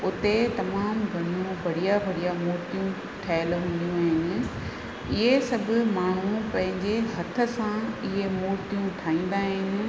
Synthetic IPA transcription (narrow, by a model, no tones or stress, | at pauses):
ʊt̪et̪ɐmaːmɡʱɐnũʋɐɽijaʋɐɽijamoːɾt̪ijũ | ʈʰaːɪlɦũːn̆d̪ijũaːɦɪnɪ̆ | ɪɦesɐbʱʊ̆maːɳ̤ũpɐ̃ɦɪ̃ɲd͡ʑeɦɐt̪ʰə̆sãɪɦemʊːɾt̪ijũʈʰaːĩːn̆d̪aːɦɪnɪ̆